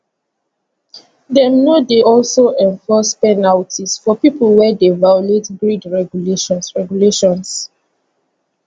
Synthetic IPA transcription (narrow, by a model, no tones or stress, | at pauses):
dɛmnodeɔlsoɛ̃ɱfɔspɛnaltʰisfɔpipl̩wɛdevajuletɡɹidɹɛɡjuleʃɔ̃nsɹɛɡjuleʃɔ̃ns